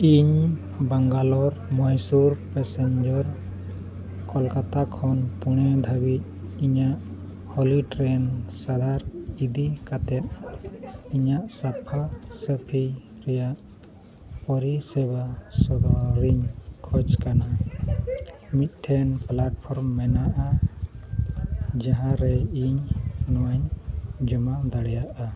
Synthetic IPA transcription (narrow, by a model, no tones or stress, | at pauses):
iɲ | baŋɡalɔɾmɔjsuɾpɛsɛɲd͡ʒɔɾ | kɔlkat̪akʰɔnpuɽ̃ɛd̪ʱəbic̪̚iɲaʔ | hɔliʈɾɛnsad̪ʱaɾid̪ikat̪ɛt̪̚ | iɲaʔsapʰasəpʰij | ɾɛjaʔ | pɔɾisɛbasɔd̪ɔɾiɲkʰɔd͡ʒkana | mit̪̚ˀʈʰɛnplaʈ̚pʰɔɾmːɛnaʔa | d͡ʒaɦãɾɛiɲnɔwaɲd͡ʒɔmad̪aɽɛjaʔa